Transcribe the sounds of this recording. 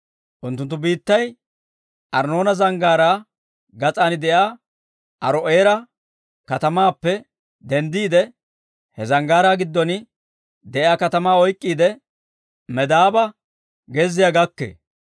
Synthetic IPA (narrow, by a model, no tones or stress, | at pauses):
ʔʊnt̪ːʊnt̪ːʊbiːt̪ːɐj | ʔɐɾno̞ːnɐzɐŋɡaːɾaː | ɡɐt͡sʼaːnɪd̪ɛjaː | ʔɐɾɔʔeːɾɐ | kɐt̪ɐmaːpːɛ | d̪ɛnd̪iːd̪ɛ | hɛzɐŋɡaːɾaːɡɪd̪ːɔnɪ | d̪ɛʔjaːkɐt̪ɐmaːɔjkʼːiːd̪ɛ | mɛd̪aːbɐ | ɡɛzːɪjaɡɐkːḛː